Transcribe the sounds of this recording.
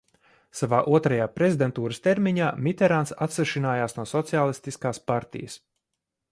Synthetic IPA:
savaːʔuɔt̪ɾajaːpɾezʲid̪ent̪uːɾəst̪eɾmʲiɲaːmʲit̪ɛɾaːnsat̪sɛʃinaːjaːsnuɔsɔt̪siaːlˠist̪iskaːspaɾt̪ḭjə̰s

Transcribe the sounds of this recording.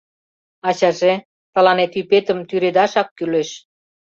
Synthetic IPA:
ɑɕɑʒe | t̪ɑlɑnet̪ypet̪ə̆mt̪yɾed̪ɑʃɑkːyleʃ

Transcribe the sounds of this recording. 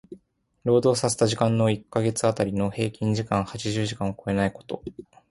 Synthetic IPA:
ɾo̞ːd̪o̞ːsase̥t̪aʑikãnːo̞ikːaɡe̞t͡sɨat̪aɾʲino̞he̞ːkʲĩɲd͡ʑikãɰ̃hat͡ɕiʑɨːʑikãɰ̃oko̞e̞naiko̞̥t̪o̞̰

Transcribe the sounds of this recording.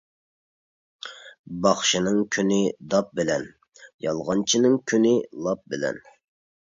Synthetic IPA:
bɑχʃinɪŋkʲʰynɪd̪ɑp̚bɪlɛn | jɑlˠʁɑnt͡ʃʰinɪŋkʲʰynɪlˠɑp̚bɪlɛ̰n

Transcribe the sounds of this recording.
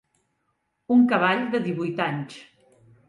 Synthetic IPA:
uŋkəβaʎd̪əðiβujt̪aɲt͡ʃ

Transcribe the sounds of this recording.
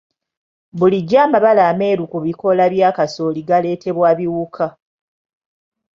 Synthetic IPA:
buliɟaːmaβalaːme̞ːɾukuβiko̞laβjaːkaso̞liɡale̞ːtʰe̞βwaːβiwukʰa

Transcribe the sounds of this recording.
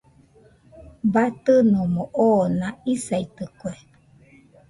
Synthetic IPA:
bat̪ɯnũmoʔonãisait̪ɯkue

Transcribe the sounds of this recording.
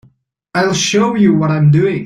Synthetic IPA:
aɪlˠʃoʊjɨwʌɾãɪ̃mdʉɪ̃ŋ

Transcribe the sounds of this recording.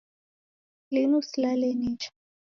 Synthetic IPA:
linuslalɛnit͡ʃḁ

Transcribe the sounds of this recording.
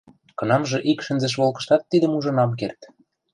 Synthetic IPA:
kɤ̆nɑmʒɤ̆ʔikʃə̆nzĕʃ̬βolkɤ̥̆ʃt̪ɑt̪ːid̪əmuʒɤ̆nɑmk̬ert̪

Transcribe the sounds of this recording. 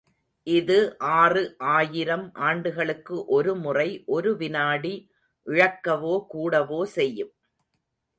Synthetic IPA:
ʔɪðɯʔaːrɯʔaːjɪɾɐmʔaːɳɖɯɣɐɭɯkːɯʔɔɾɯmʊrɐɪʔɔɾɯʋɪnaːɽi | ʔɪɻɐkːɐʋoːkuːɽɐʋoːsɛjːɯm

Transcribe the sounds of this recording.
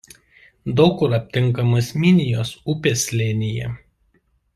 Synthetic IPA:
d̪ɔʊkʊɾɐpʲt̪ʲɪŋˑkɐmɐsmʲɪnʲɪjoːsʊpʲeːsʲlʲeːnʲɪjɛ

